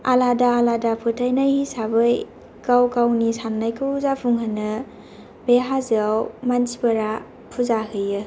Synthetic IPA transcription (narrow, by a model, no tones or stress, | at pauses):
aladaːladapʰɯtʰajnajhisabɯj | kawkawnisanːajkʰɯzapʰuŋɦanːɯ | beɦazwmansibɐɾa | pʰuzaɦɯjɯ